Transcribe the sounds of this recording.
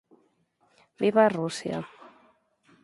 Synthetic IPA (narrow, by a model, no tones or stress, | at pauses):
biβarusja̰